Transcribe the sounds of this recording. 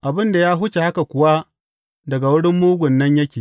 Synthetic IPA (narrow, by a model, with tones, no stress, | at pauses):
ʔa˨bɪ˦nda˨jaː˦ɦʊ˦t͡ʃe˨ha˦ka˨kʷʊ˨wa˦ | dɐ˨ɡa˨wʊ˦ɽɪ˦mːuː˦ɡʷʊ˨nːɐ˦ɲjɐ˦kʲeː˨